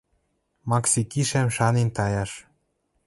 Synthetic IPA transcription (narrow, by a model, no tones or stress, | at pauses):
mɑksikiʃæmʃɑnent̪ɑjɑʃ